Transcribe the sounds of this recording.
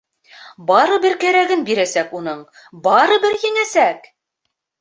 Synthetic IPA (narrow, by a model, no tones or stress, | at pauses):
bɑɾɤbɘ̆ɾkæɾæɡɘnbiɾæsækunɤɴ | bɑɾɤ̆bɘɾjɘ̆ŋæsæk